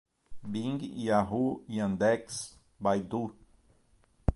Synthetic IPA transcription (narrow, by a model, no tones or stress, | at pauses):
biŋɡiaɦuiãnd̪eks | bajd̪u